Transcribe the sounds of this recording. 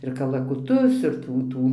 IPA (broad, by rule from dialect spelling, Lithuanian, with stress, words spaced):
ɪr kɐlˠɐkʊˈtʊs ɪr ˈtuː ˈtuː